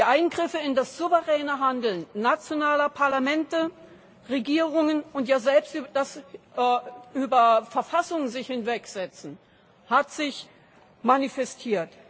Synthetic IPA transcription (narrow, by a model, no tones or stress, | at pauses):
d̥iʔaɪnɡʁɪfəɪndasz̥uvəʁɛːnəɦandl̩nːat͡sjonaːlɐpʰaɐlamɛntə | ʁeɡiːʁʊŋənʊntjaːzɛlpstʔyːbɐd̥as | ʔyːbɐfɛɐfasʊŋəzɪçhɪnvɛkz̥ɛt͡sn̩ | hatz̥ɪç | manifɛstʰiːɐt